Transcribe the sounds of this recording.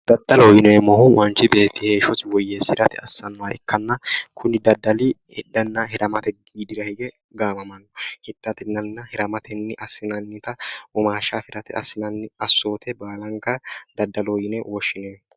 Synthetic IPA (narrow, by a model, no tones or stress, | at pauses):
d̪̥ɐd̪̥ːɐlojɪnɛɛmɔhʊwʔɐnt͡ʃːɪbe̞ːt̪ːɪhe̞ːʃɔt̪ɪwɔjːesɪɾɐt̪ɪɐsːɐnwaɪkʰːɐnːɐkʰʊnɪd̪ɐd̪ːɐlɪhɛd̪ːɐnːɐhɛɾʔɐmɐt̪ɛɡiːd̪ɪɾɐhɪɡɛ | ɡaːmɐmɐnːɔhɛd̪̥ːɐt̪ɪnːɐnːɐhɛɾɐmɐt̪ɛnːɪʔɐsːɪnɐnːɪt̪ɐwɔmaːʃaːfɪɾɐt̪ɪɐsːɪnɐnːɪɐsːo̞ːt̪ɛbaːlɐŋkɐd̪ɐd̪ːɐlojɪnɛwɔʃɪneː